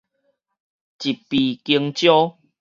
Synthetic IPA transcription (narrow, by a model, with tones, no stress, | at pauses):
t͡ɕi˨˩pːi˨ki˧əŋt͡ɕjɔ˦